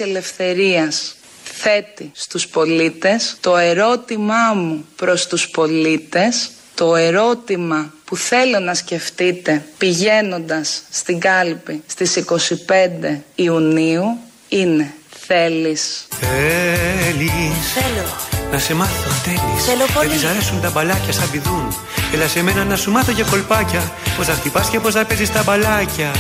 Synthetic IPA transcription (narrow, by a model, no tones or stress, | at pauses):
ele̞fθe̞ɾiɐs | θe̞t̪ist̪uspo̞lit̪e̞st̪o̞e̞ɾo̞t̪imɐmupɾo̞st̪uspo̞lit̪e̞s | t̪o̞e̞ɾo̞t̪imɐpuθe̞lo̞nɐsce̞ft̪it̪e̞piʝe̞no̞nd̪ɐsːt̪iŋɡɐlipist̪isiko̞sipe̞nd̪e̞iuniu | ine̞θe̞lisθe | liselonɐse̞mɐθoθeliseloisɐɾe̞sunt̪ɐbɐlɐcɐst̪ɐbiðun | elɐseme̞nɐnɐsumɐθoceko̞lpɐcɐ | po̞zðɐxt̪ipɐsce̞po̞zðɐpe̞zist̪ɐbɐlɐcɐ